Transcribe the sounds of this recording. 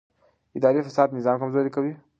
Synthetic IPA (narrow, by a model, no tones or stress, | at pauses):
ɪd̪aːɾefasaːd̪nɪzaːmkɐmzoɾikawi